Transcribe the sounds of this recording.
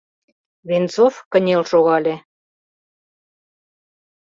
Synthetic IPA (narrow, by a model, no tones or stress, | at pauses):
βent͡sofkə̆nʲelʃoɣɑlʲe